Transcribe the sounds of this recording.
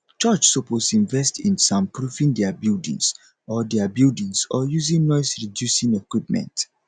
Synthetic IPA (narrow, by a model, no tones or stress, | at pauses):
t͡ʃɔt͡ʃsoposĩɱvɛstĩnsɔ̃mpɹuvĩndɛabildḭ̃ŋs | ɔdɛabildĩŋsɔjuzĩŋnɔɪsɹidjusĩŋɛkwip̚mɛ̰̃nt